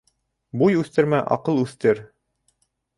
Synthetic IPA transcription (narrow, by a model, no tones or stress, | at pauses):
bujʉθt̪ɘ̆ɾmæʔɑ̰qɤlˠʉθt̪ɘɾ